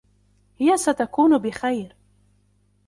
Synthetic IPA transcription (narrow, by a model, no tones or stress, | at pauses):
hɪjasat̪akuːnbɪxajɾ